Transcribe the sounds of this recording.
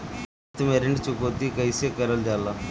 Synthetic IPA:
t̪meɾɪɳɖt͡ʃʊkoːt̪ikəisekəɾəld͡ʒaːlaː

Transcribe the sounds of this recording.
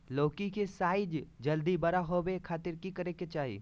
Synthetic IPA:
loːkikesaːɪd͡ʒd͡ʒɐld̪ibɐɾaɦobekʰaːt̪ɪɾkikɐɾeket͡ʃaːɦḭː

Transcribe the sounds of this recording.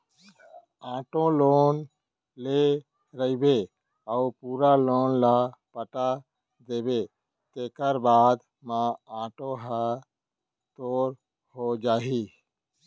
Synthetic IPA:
ãːʈõloːn | le | ɾəibe | əupuːɾaloːnlapəʈa | d̪eːbe | t̪eːkəɾbaːd̪ | mããːʈõɦa | t̪oːɾ | hod͡ʒaːɦi

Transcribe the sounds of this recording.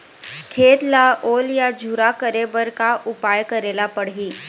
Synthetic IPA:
kʰeːt̪laʔoːljad͡ʒʱuɾakəɾebəɾkaʔʊpaːjkəɾeːlapəɽɦiː

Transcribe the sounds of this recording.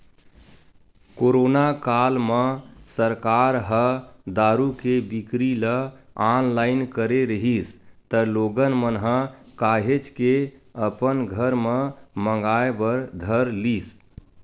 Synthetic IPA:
koɾonakalmə̃səɾkaɾɦəd̪aɾukebikɾilə | anlaɪnkəɾeɾəɦist̪əloɡənmənɦə̃kaɦet͡ʃkeəpənɡʱəɾmə̃mə̃ŋɡaebəɾd̪ʱəɾlis

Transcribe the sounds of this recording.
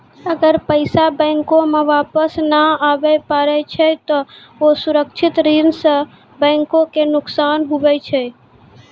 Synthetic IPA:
əɡəɾpəɪsabɛ̃ŋkõmãʋaːpəsnaaʋepaɾɛt͡ʃʰet̪o | osʊɾəkʃʰɪt̪ɾins | bɛ̃ːŋkõkenʊksaːnɦuʋɛt͡ʃʰe

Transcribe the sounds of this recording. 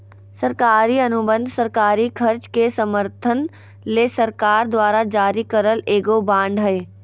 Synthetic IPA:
səɾkaːɾiɐnʊbə̃nd̪ʱsəɾkaːɾikʰɐɾt͡ʃkesəməɾt̪ʰən | leːsɐɾkaːɾd̪waːɾad͡ʒaːɾikəɾəleːɡobãːɳɖɦɛe

